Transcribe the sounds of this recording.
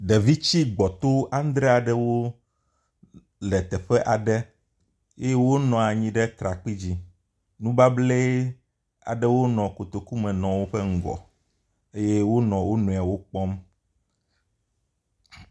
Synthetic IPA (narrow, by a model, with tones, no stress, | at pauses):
ɖɛ˨vi˦t͡ɕi˦ɡ͡bɔ˨t̪o˦a˦n˦d̪ɾɛ˦a˨ɖɛ˦wo˦ | lɛ˨t̪ɛ˨ɸɛ˦ʔa˨ɖɛ˦ | e˦je˦wo˦nɔ̃˨a˨ɲĩ˦ɖɛ˦t̪ɾa˨k͡pi˦d͡ʑi˦ | nũ˦ba˦ble˦ | a̰˨ɖɛ˦wo˦nɔ̃˨ko˨t̪o˨ku˦mɛ̃˨nɔ̃˨wo˦ɸɛ˦ŋ̩˨ɡɔ̰˨ | e˦je˦wo˦nɔ̃˨wo˦nũ˨a˨wo˦k͡pɔ˦m